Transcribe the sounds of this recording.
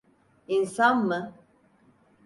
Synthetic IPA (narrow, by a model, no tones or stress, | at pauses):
insammə